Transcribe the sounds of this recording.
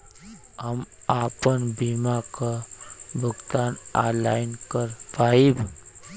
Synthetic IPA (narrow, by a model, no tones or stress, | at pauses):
ɦəm | aːpənbimakabʱʊɡt̪aːnalaːɪnkəɾpaib